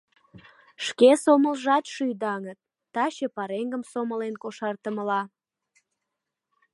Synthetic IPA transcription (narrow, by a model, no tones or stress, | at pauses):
ʃkesoməlʒɑt̪ʃyjd̪ɑŋət̪̚ːɑɕepɑɾeŋɡəmsoməlenkoʃɑrt̪əməlɑ